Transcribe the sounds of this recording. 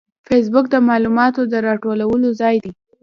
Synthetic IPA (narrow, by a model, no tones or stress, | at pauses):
fes̬bʊk̚d̪əmɑlumɑt̪od̪əɾɑʈolawəlozɑjd̪i